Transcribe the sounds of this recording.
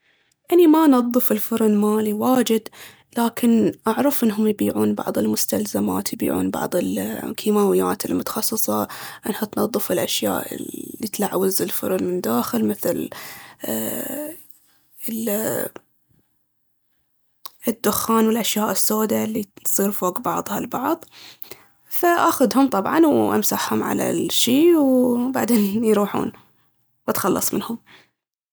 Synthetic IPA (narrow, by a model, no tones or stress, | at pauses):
ʔanːimanɑðˤːɨfɪlfʊɾˤnmaːliwaːd͡ʒɪd̪ | laːkʰɪnʔaʕɾˤɑfʔɪnːɦʊmjbiːʕuːnbɑ̰ʕðˤɪlmʊst̪alzama̰ːt̪jbḭːʕṵːnbɑ̰ʕðˤɪlkʰiːmaːwɪjːaːt̪ɪlmʊt̪ɑ̥xɑsˤːɨsˤɑʔɪnhat̪nɑðˤːɨfɪlʔaʃja̰ːʔːit̪laʕwɪzɪlfʊ̰ɾˤnmɪnd̪aːxɪlmɪθlː | ʔɪd̪ːʊxːaːnwɪlʔaʃjaːʔɪsːoːd̪alːisˤiːɾfoːkbɑʕðˤhɑlbɑʕðˤ | faʔaxʊd̪hʊmt̪ˤɑbʕɑ̰nwʔa̰msaħhʊmʕa̰la̰ʃiːwbaʕd̪eːnjɾuːħṵːn | wat̪xɑlːɑ̰sˤmɪ̰nhʊm